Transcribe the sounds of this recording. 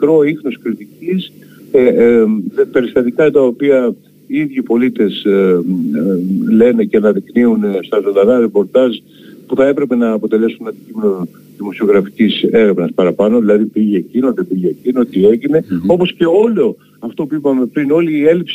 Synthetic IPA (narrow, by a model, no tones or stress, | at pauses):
mikɾo̞ixnoskɾit̪icis | e | pe̞ɾist̪ɐt̪ikɐt̪ɐopiɐ | iiðʝipo̞lit̪e̞s | le̞ne̞ceɐnɐðikniunst̪ɐzo̞nd̪ɐnɐɾe̞po̞ɾt̪ɐz | puθɐe̞pɾe̞pe̞nɐːpo̞t̪e̞le̞sunɐnd̪icime̞no | ðimo̞sio̞ɣɾɐfi̥cise̞ɾevnɐspɐɾɐpɐno̞ðilɐðipiʝeːcinot̪ipiʝeːcinot̪ie̞ʝine̞o̞po̞sce̞o̞lo̞ | ɐft̪o̞puipɐme̞pɾino̞liːe̞lips